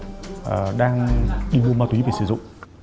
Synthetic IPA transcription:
ʔəː˨˩ɗaː˧ŋɗi˧m˧ma˧t̪wi˨˦ve˨˩sɨ̰˧˩zʊ̰˧˨ŋ͡m

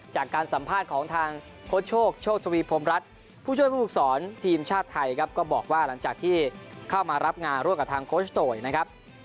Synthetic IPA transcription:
t͡ɕaː˨˩kːaː˧nsa˩˦mpʰaː˥˩t̪̚kʰɔː˩˦ŋt̪ʰaː˧ŋ | kʰo˦˥t̪̚t͡ɕʰoː˥˩k̚t͡ɕʰoː˥˩t̪ʰa˧wiː˧˥pʰo˧mɾa˦˥t̪̚ | pʰuː˥˩u˥˩əjpʰːu˥˩k̚sɔː˩˦nt̪ʰiː˧mt͡ɕʰaː˥˩t̪ʰːa˧jkʰa˦˥p̚kɔː˥˩bɔː˨˩k̚waː˥˩la˩˦ŋt͡ɕaː˨˩k̚t̪ʰiː˥˩kʰa˥˩wmaː˧ɾa˦˥p̚ŋaː˧nɾu˥˩mka˨˩pt̪ʰːŋkʰoː˦˥sʰt̪oː˧˩jna˦˥kʰa˦˥p̚

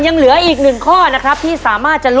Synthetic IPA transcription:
nja˧ŋlɯ˩˦ɐʔiː˨˩k̚nɯ˨˩ŋkʰɔː˥˩na˦˥kʰɾa˦˥p̚t̪ʰiː˥˩saː˩˦maː˥˩t̪̚t͡ɕa˨˩ʔl

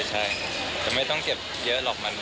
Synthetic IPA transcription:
t͡ɕʰa˥˩j | t̪ɛː˨˩ma˥˩jt̪ɔ˥˩ŋke˨˩p̚jɤ˦˥ʔlɔː˨˩k̚ma˧n

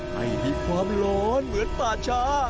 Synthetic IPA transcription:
ha̰˧˩jhi˧˩kʰwaː˧˥mloː˦˥nmɯ˨˦ənp̪aː˨˩t͡ɕʰaː˦˥

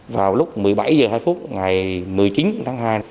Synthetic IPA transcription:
vaː˨˩wlʊ˦˥k͡p̚mɨ˨˩əjɓa˧˩jzəː˨˩haː˧jfu˦˥t̚ŋa˨˩jmɨ˨˩əjt͡ɕi˨˦nt̪ʰaː˨˦ŋɦaː˧j

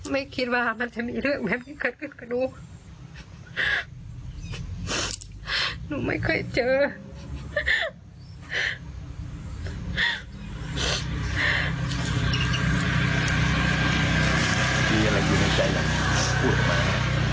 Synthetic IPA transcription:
ma˥˩jkʰi˧˥t̪̚waː˧˩ma˧˥˨nt͡ɕa˧˩miː˧lɯ˥˩ək̚bɛː˨˦p̚nʰiː˧˩kʰɤː˨˧˩t̪̚kʰɯ˧˩kʰa˧˩duː˧˩ | nuː˧˦ma̰˥˩jkʰɔ˥˩jt͡ɕɤː˧ | t̪iː˨˧˩a˧˨la˧˩mi˧˨na˧˩t͡ɕʰa˧˥˩jla˧˩˧pʰuː˧˩t̪̚maː˧˩˧

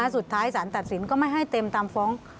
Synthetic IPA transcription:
a˧˥˩su˨˩t̪ʰːaː˦˥jsaː˩˦nt̪a˨˩t̪̚si˨˩˦nkɔː˥˩ma˥˩jɦa˥˩jt̪e˧mt̪aː˧mfɔː˦˥ŋ

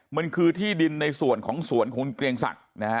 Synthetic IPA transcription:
ma˧nkʰɯː˧t̪ʰiː˥˩di˧nːa˧jsu˨˩ənkʰɔː˩˦ŋsu˩˦ənkʰɔː˩˦ŋkɾi˧əŋsa̰˨˩k̚na˦˥

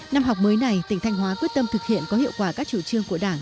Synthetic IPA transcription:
na˧mɦa˨˩wk͡p̚məː˨˦jna˨˩jt̪ï˧˩ŋ̟t̪ʰa˧jŋ̟ɦwaː˨˦kwi˦˥ət̚t̪ə˧mt̪ʰɨ˨˩k̚hḭ˧˨ənkɔ˨˦hḭ˧əwkwaː˧˩kaː˦˥k̚t͡ɕu˧˩t͡ɕɨ˧əŋku˧˩ə˩ɗaː˧˩ŋ

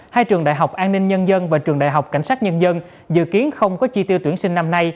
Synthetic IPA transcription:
haː˧jt͡ɕɨ˨˩əŋɗa̰ː˧˨jɦa˨˩wk͡p̚ʔaː˧nːi˧ŋɲə˧nzə˧nvaː˨˩t͡ɕɨ˨˩əŋɗa̰ː˧˨jɦa˨˩wk͡p̚ka˧˩jŋ̟saː˦˥t̚ɲə˧nzə˧n | zɨ̰˧˨ki˨˦ənxə˧wŋ͡mkɔ˨˦t͡ɕi˧t̪i˧əwt̪wi˧˩ənsï˧ŋ̟na˧mna˧j

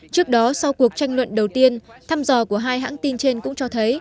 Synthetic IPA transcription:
t͡ɕɨ˦˥ək̚ɗɔ˨˦sa˧wku˨˩ək̚t͡ɕa˧jŋ̟lwə̰˧˨nɗə˨˩wt̪i˧ənt̪ʰaː˧mzɔ˨˩ku˧˩əɦaː˧jɦa̰ː˧˥ŋt̪i˧nt͡ɕe˧nkʊ̰˧˥ŋ͡mt͡ɕɔ˧t̪ʰə˨˦j

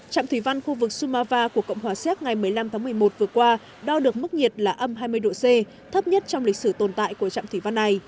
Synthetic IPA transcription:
t͡ɕa̰ː˧˨t̪ʰi˧˩va˧nxu˧vɨ˨˩k̚su˧maː˧vaː˧ku˧˩əkə̰˧˨wŋ͡mɦwaː˨˩sɛ˦˥t̚ŋa˨˩jmɨ˨˩əjla˧mt̪aː˨˦ŋmɨ˨˩əjmo˨˩t̚vɨ˨˩əkwaː˧ | ɗɔ˧ɗɨ˨˩ək̚mɨ˦˥k̚ɲi˨˩ət̚laː˨˩ʔə˧mɦaː˧jmɨ˧əjɗo̰˧˨se˧ | t̪ʰə˦˥p̚ɲə˦˥t̚t͡ɕɔ˧wŋ͡mli˨˩k̟̚sɨ˧˩t̪o˨˩nt̪a̰ː˧˨jku˧˩ət͡ɕa̰ː˧˨mt̪wi˧˩va˧nːa˨˩j

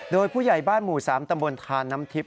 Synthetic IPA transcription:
doː˧jpʰuː˥˩ja˨˩jbaː˥˩nmuː˨˩saː˩˦mt̪a˧mbo˧nt̪ʰaː˧nːa˦˥mt̪ʰi˦˥p̚

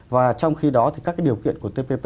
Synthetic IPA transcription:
vaː˨˩t͡ɕɔ˧wŋ͡mxi˧ɗɔ˨˦t̪ʰi˨˩kaː˦˥k̚aː˨˦ɗi˨˩əkḭ˧˨ənku˧˩ət̪e˧pe˧p

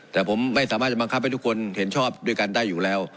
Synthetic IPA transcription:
t̪ɛː˨˩pʰo˩˦mːa˥˩jsaː˦maː˥˩t͡ɕa˨˩bkʰa˦˥p̚ːa˧jt̪u˥kʰo˧nhe˩˦nt͡ɕʰɔː˥˩p̚du˥˩əjka˧ndaː˥˩jːuː˨˩lɛː˦˥w

